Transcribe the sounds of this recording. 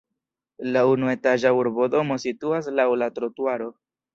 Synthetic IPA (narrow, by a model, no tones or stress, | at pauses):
launue̞taʒauɾbodo̞mo̞situas̬lawlatɾotuaɾo̞